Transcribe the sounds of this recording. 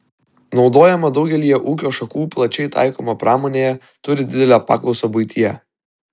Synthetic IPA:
nɒʊd̪oːjɛmɐd̪ɒʊɡʲɛlʲijɛʔuːkʲoːʃɐkuːplˠɐt͡ʃʲɛɪt̪ʰɑ̰ˑɪkoːmɐpɾɑːmoːnʲeːjɛ | t̪ʊɾʲɪd̪ʲɪd̪ʲɛlʲæːpɑ̰ːklˠɒʊsoːbʊɪt̪ʲijɛ

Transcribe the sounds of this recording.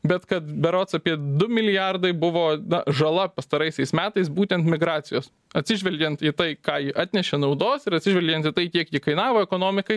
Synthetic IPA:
bʲɛt̪kɐt̪bʲɛɾoːt̪sɐpʲiɛd̪ʊmʲɪlʲɪjɑrd̪ɐɪbʊʋoːnɐʒɐlˠɐpɐst̪ɐɾɐɪsʲɛɪsmʲæːt̪ɐɪsbuːt̪ʲɛnt̪mʲɪɡɾɑːt̪sʲɪjoːs | ɐtʲsʲɪʒʲʋʲɛlʲɡʲɛnt̪iːt̪ɐɪkɑːjɪʔɑːt̪ʲnʲɛʃʲeːnɐʊd̪oːsɪɾɐt̪ʲsʲɪʒʲʋʲɛlʲɡʲɛnt̪ɪt̪ɐɪkʲiɛkjɪkɐɪnɑːʋoːɛkoːnoːmʲɪkɐɪ

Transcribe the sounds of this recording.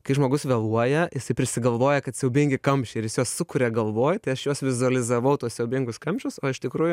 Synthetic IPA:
kɐɪʒmoːɡʊsʋʲɛlˠuɔjɛjɪsɐɪpʲɾʲɪsʲɪɡɐlˠʋoːjɛkɐt̪sʲɛʊbʲɪŋʲɡʲɪkɐmʲpʲʃʲɛɪrjɪsjoːssʊkʊɾʲɛɡɐlˠʋoːjt̪ɐɪɐʃjoːsʋʲɪzʊɐlʲɪzɐʋɐʊt̪uɔssʲɛʊbʲɪŋɡʊskɐmʲʃʲʊsoːɪʃt̪ʲɪkɾuːjʊ

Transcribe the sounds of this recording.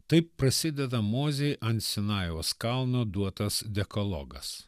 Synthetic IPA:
t̪ɐɪpːɾɐsʲɪd̪ʲɛd̪ɐmoːzʲɛjʔɐnʲt̪sʲɪnɑːjoːskɐlˠnoːd̪uɔt̪ɐsd̪ʲɛkɔlˠɔ̰ɡɐs

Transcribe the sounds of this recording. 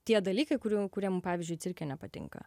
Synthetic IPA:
t̪ʲiɛd̪ɐlʲiːkɐɪkʊɾʲukʊɾʲiɛmʊmpɑːʋʲɪzʲd͡ʒʲʊɪsʲɪɾʲkʲɛnʲɛpɐt̪ʲɪ̰ŋkɐ̰

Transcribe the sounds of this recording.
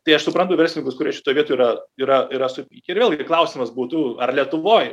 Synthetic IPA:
t̪ɐɪɐʃsʊpɾɐnt̪ʊʋʲɛrʲsʲɪnʲɪŋkʊskʊɾʲiɛʃʲɪt̪oːjʋʲiɛt̪oːiːɾɐiːɾɐiɾɐsʊkʲɪɾʋʲeːlˠɡʲɪklˠɐʊsʲimɐsbuːt̪ʊɐrlʲiɛt̪ʊʋoːj

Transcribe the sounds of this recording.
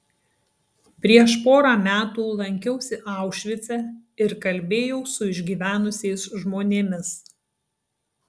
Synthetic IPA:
pʲɾʲiɛʃpoːɾɑːmʲæːt̪uːlˠɐŋʲkʲɛʊsʲɪʔɑˑʊʃʲʋʲɪt̪sʲɛɪɾkɐlʲˑbʲeːjɛʊsʊɪʒʲɡʲiːʋʲæːnʊsʲeɪsʒmoːnʲeːmʲɪs

